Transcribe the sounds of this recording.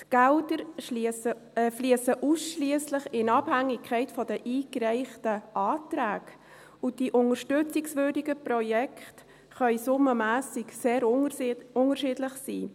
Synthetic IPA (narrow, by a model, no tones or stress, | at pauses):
tɡ̥ɛldəɾsə | fliəsəʔusʃliəslɪχɪnɑb̥hæŋːɪkʰχɛɪtfɔdəʔiːkɾɛɪχtəʔɑːtɾæːɡ | ʊd̥iʔʊnəɾʃtʏt͡sɪksvʏdiɡəprɔjɛkχt | χœʏsʊməmæːsɪkseːɾ | ʊŋərʃɪdləχsiː